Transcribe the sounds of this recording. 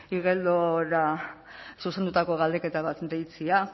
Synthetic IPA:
iɣeld̪oɾa | suse̞nd̪ut̪ako̞ɣald̪e̞ke̞t̪aβat̪d̪ejt͡sia

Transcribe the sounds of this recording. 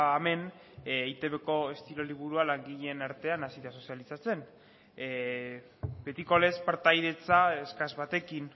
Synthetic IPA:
me̞nː | jt̪e̞βeko̞e̞st̪iɾo̞liβuɾualaŋɡiʎenaɾt̪e̞anasiðaso̞sialisat͡se̞n | be̞t̪iko̞le̞spaɾt̪ajðe̞t͡saeskazβat̪e̞kin

